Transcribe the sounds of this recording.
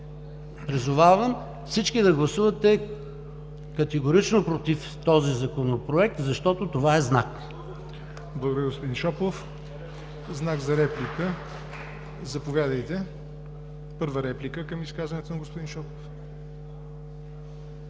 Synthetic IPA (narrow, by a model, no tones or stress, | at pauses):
pɾizʊvavəm | fsit͡ʃkid̪ɐɡlˠɐsuvɐt̪ɛ | kɐt̪ɛɡoɾit͡ʃnopɾot̪if | t̪ɔzizɐkonopɾoɛk̚t̪zɐʃt̪ɔt̪ot̪ovaɛznak | blˠɐɡod̪əɾʲiɡospod̪inʃɔplˠof | znaɡzɐɾɛplikə | zɐpovʲjad̪əjt̪ɛ | pɤɾvəɾɛplikəkɐmiskazvɐnɛt̪onɐɡospʊd̪inʃɔplˠof